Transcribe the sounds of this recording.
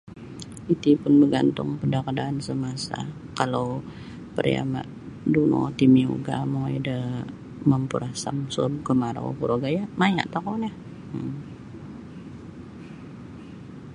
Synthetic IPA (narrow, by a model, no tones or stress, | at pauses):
it̪ipʊnbəɡant̪ʊŋpədakadaːnsəmasa̰ | kalaw | pəɾija̰ma̰ʔ | duno̰t̪imio̰ɡa̰moḭdə | məmpuɾasa̰mso̰b̚kəmaɾa̰o̰puɾoɡajamaja̰ʔt̪akonah | ə